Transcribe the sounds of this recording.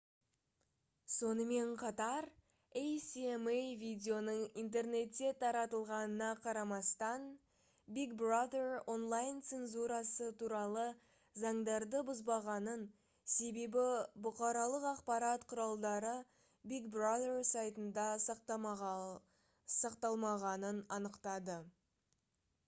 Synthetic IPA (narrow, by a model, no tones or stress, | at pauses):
so̞nəme̞ɴqʰɑt̪ɑɾ | ejsiemejvʲijd̪ʲeo̞nəɴint̪̬e̞rne̞t̪ːe̞t̪ʰɑɾɑt̪əlˠʁɑnənɑqʰɑɾɑmɑst̪ɑn | biɡbrad̪eɾonlˠajnt̪se̞nzuɾɑsət̪ʰuɾɑlˠə | zɑɴd̪ɑɾd̪əbʊzbɑʁɑnən | se̞be̞bɪbʊqɑɾɑlˠəqɑqpɑɾɑt̪qʰʊɾɑlˠd̪ɑɾə | biɡbrad̪ersɑjt̪ənd̪ɑs | sɑqt̪ɑlˠmɑʁɑnənɑnəqt̪ɑd̪ə